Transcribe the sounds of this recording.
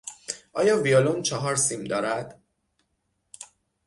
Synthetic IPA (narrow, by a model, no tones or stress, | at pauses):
ʔɒːjɒːviolomt͡ʃʰɒɦɒːɾsiːmd̪ɒːɾæd̪̥